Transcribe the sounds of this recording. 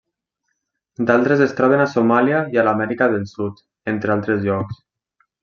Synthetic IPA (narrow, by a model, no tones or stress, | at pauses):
d̪alˠt̪ɾezest̪ɾɔβ̞enasomaljaialamɛɾikaðelˠsut̪ | ent̪ɾealˠt̪ɾezʎɔks